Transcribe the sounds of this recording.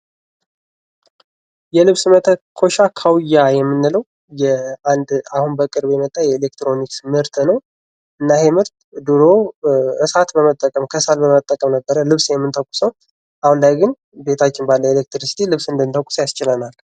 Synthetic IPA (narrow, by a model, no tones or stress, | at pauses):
jɛlɨβsmət̪ʰəkʰo̞ʃakʰawjːajɛmːɨnːɨləw | jɛand̪ahunbəkʼɨɾbjɛmət̪ʼːajɛelek̚t̪ɾo̞niksmɨɾt̪ʰnəw | ʔɨnːahɛmɨɾt̪d̪ɨɾoʔɨsat̪bəmət̪ʼːəkʼəmkʰəsalbəmət̪ʼːəkʼəmnəbːəɾəlɨβsjɛmːɨnt̪ʰəkʼːʊ̥səw | ʔahunlajɡɨn | be̞t̪ʰat͡ʃːɪnbalːəwelek̚t̪ɾɨsi̥t̪ʰilɨβsɨnd̪ɨnt̪ʰəkʼuʊ̥sjast͡ʃɪlənal